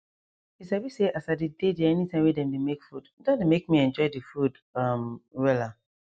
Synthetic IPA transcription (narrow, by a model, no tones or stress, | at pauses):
isabiseʔasadidedɛɛnitʰãɪ̃wɛdɛ̃ndemekfuddãndemek̚miɛ̃nd͡ʒɔɪdifud | amwɛla